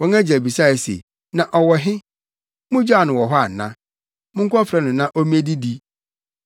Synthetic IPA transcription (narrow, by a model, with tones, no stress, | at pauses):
wɔ̃˦ŋæ˦d͡ʑæ˨bi˨sa˦˨ɪ˨sḛ˨ | nã˨ʔɔ˨wɔ˨ɦɪ˦ | mʊ̃˦d͡ʑa˦˨nʊ̃˨wɔ˨ɦɔ˦a˨nã̰˦ | mʊ̃˦ŋ̩˦kʰʷɔ˦fɾɛ˦nʊ̃˨nã˦ʔɔ˦m˦ẽ˦di˦di˦